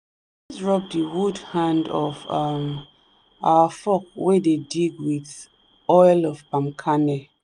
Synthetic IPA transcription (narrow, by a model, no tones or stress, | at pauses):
isɹɔp̚dəwudhãndɔvam | awəfɔkwɛdediɡwið | ɔɪlɔvpãmkʰanɛ